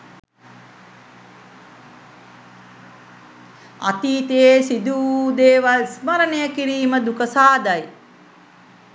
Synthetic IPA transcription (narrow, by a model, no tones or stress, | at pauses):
a̰t̪iːt̪ejesid̪uːd̪eːʋalsməɾənejəkiɾiːməd̪ukəsaːd̪aj